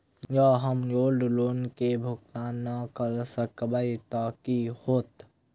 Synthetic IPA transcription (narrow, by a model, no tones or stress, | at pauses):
jaɦəmjoːlɖloːnkebʱʊkt̪aːnːakəɾsəkbait̪aːkihoːt̪